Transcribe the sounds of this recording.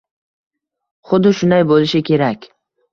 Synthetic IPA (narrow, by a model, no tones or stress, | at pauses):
χʊd̪ːɪʃʊnd̪ajbolɪʃɪkʲʰe̞ɾakʲ